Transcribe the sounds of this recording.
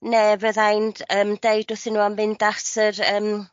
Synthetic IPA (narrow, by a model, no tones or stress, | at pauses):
nevəðajnd̥əːmdejd̥ʊθɪnuːamvɪndasərəːm